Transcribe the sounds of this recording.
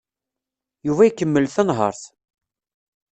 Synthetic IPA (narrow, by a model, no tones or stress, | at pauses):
juvæjikːəmːəlθənɦə̰ɾˤθ